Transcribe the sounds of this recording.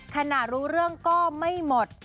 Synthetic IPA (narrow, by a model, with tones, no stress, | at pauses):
kʰa˧na˨˩ɾuː˦˥ɾɯ˥˩əŋkɔː˥˩ma˥˩jmo˨˩t̪̚